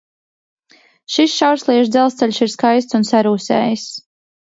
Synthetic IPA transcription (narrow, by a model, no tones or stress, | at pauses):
ʃisʃawɾslˠiɛʃd̪zɛlˠst̪sɛlʲʃiɾskajst̪sunsaɾuːsɛ̰ːjis